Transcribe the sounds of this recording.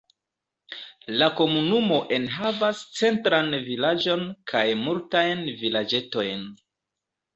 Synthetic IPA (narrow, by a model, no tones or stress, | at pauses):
lako̞munumo̞ʔe̞nɦavast͡se̞ntɾanvilad͡ʒo̞nkʰajmultajnvilad͡ʒe̞to̞jn